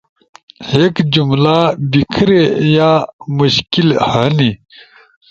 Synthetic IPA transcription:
heːkd͡ʑumlaːbikʰɾejaːmuɕkilhani

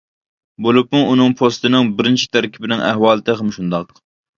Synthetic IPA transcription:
bolˠupmuʔːnɨŋpʰost̪ɨnɨŋbɪɾɪnt͡ʃʰi̥t̪ʰæɾkʲʰibɪnɪŋæhwɑːlˠɨt̪ʰɪχæmʃund̪ɑq

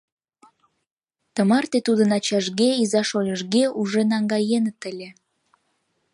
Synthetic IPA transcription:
t̪əmɑrt̪et̪ud̪ənɑt͡ɕɑʒɣeizɑʃojʲəʒɣeʔuʒenɑŋɡɑjenət̪əlʲe

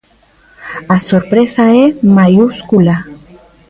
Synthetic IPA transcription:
asoɾpɾesaemajuskula

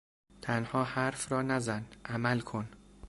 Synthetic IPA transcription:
t̪ʰænhɒːhæɾfɾɒːnæzænʔæmælkʰon

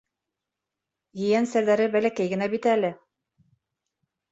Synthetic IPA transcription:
jɘ̆jænsæɾðæɾɘbælækæjɡɘ̆næbit̪æælɘ

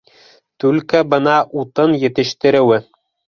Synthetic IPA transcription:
t̪ʉlkæbɤ̆nɑʔut̪ɤnjɘ̆t̪ɘ̆ʃt̪ɘ̆ɾɘ̆wɘ

